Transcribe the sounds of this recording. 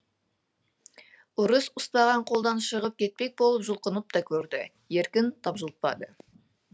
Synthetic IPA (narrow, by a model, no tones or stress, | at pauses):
ʊɾəsʊst̪ɑʁɑɴqʰo̞lˠd̪ɑnʃəʁəp̚kʲʰe̞t̪̚pe̞k̚bo̞lˠəpʒʊlˠqənəp̚t̪ɑkʲʰɵɾd̪ɪ | je̞ɾkʲɪnt̪ʰɑpʒəlˠt̪̚pɑ̰d̪ə